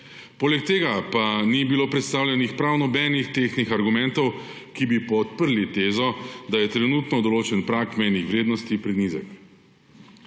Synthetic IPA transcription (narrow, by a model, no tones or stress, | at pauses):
poːlɛk̚t̪eːɡapanibiloːpɾɛt̪st̪aːwlʲɛnixpɾawnɔbɛːnixt̪exnixaɾɡumɛ̃nt̪ɔw | kibipɔt̪pəɾlit̪eːzɔd̪ajɛt̪ɾɛnuːt̪nɔd̪ɔloːt͡ʃɛnpɾakmɛjnixʋɾeːd̪nɔst̪ipɾɛnizɛ̰k